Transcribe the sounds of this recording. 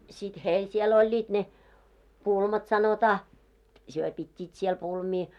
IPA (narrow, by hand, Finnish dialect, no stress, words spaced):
sit heil siel olʲːiːt ne pulmɑt sɑnotɑː hyø pitʲːiːt siel pulmiː